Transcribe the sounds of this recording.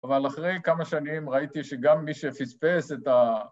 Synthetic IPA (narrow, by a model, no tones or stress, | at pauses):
avalaχʁejkamaʃanimʁait̪iʃeɡamːiʃefit͡speset̪a